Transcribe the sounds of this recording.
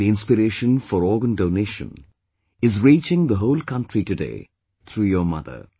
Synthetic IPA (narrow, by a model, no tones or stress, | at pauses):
iɪ̃nspɪɾeːʃə̃nfɔɾɔːɡə̃nɖoʊneːʃə̰̃n | ɪzɾiːt͡ʃɪ̃ŋd̪əɦoʊlkʰʌ̃nʈɾiʈudḛː | t̪ʰɾuːjəmʌ̰d̪ə̰